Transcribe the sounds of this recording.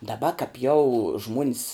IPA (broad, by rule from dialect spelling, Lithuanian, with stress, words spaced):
dɐˈbɐ kɐp jɛʊ ˈʒmuɔnʲs